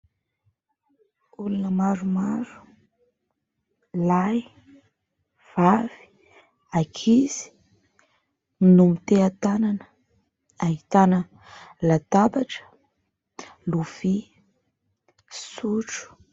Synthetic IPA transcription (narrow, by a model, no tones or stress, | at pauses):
ulunəmaɾumaɾu̥ | laj | v̥avi̥ | akʰiz̥i̥ | inumit̪eat̪ananə̥ | ait̪anə | lat̪abaʈ͡ʂə̥ | luv̥i | suʈ͡ʂu̥